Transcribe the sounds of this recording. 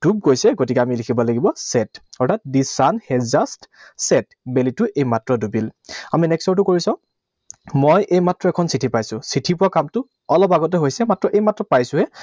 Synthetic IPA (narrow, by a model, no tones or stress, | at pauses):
d̥ub̚ɡojsɛɡotikɛamilikʰibɔlaɡibɔsɛtɔɹtʰat̚disanhɛzastsɛt | belitʊʔejmatɹɔdubilaminɛksɔɹt̬ʊkoɹisãʊ̃ | mojʔejmatɹɔɛkʰɔnsitʰipajsʊ̃sitʰipʊakamtʊ | ɔlɔpaɡɔt̬ɛɦojsɛmatɹɔʔejmatɹɔpajsʊ̃ɦɛ